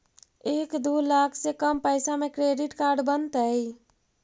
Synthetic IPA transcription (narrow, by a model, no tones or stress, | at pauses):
ekd̪ulakʰsekəmpəjsamekɾeɖiʈkaɾɖbənt̪əj